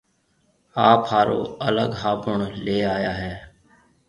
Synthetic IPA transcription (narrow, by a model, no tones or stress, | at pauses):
aːphaːɾo̰ːələɡɦaːbʊɳleːaːjaːɦɛː